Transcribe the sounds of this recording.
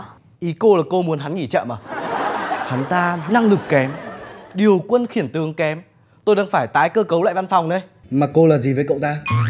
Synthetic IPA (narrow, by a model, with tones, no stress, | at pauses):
ʔi˨˦ko˧laː˨˩ko˧mu˨˦ənɦa˨˦nŋi˧˩t͡ɕə̰ː˧˨maː˨˩ | ha˨˦nt̪aː˧na˧ŋlɨ˨˩kːɛ˨˦mɗi˨˩əwkwə˧nxi˧˩ənt̪ɨ˨˦əŋkɛ˨˦m | t̪o˧jɗaː˧ŋfaː˧˩jt̪aː˨˦jkəː˧kə˨˦wla̰ː˧˨jva˧nfa˨˩wŋ͡mɗə˧˦j | maː˨˩ko˧laː˨˩zi˨˩vəː˨˦jkə̰˧˨wŋ͡mt̪aː˧